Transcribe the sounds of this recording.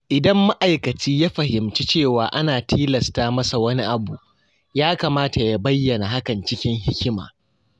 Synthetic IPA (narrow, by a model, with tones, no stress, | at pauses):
ʔɪ˨dɐ˦mːa˦ʔa˨jkɐ˨t͡ʃiː˦ja˦ɸɐ˨ɦɪ˨mt͡ʃi˦t͡ʃeː˦˨waː˨ʔa˦naː˨tʰiː˦lɐ˨staː˦mɐ˦sa˨wɐ˦ni˦ʔa˨bu˨ʔ | jaː˦kaː˨maː˦ta˨ja˦bɐ˦jːɐ˨na˨ɦa˦kɐ˨nt͡ʃɪ˦kʲɪ˦ŋɦɪ˦kʲɪ˦ma̰ː˨